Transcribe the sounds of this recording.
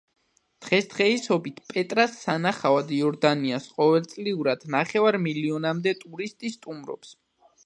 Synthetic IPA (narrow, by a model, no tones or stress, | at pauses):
d̪̥ʁɛsd̪̥ʁɛisɔbit̪ʰpʼɛt̪ʼɾasːanaχavad̪iɔɾd̪aniasqʼɔvɛlt̪sʼliuɾad̪̥naχɛvaɾmiliɔnamd̪ɛt̪ʼuɾist̪ʼist̪ʼumɾɔ̰ps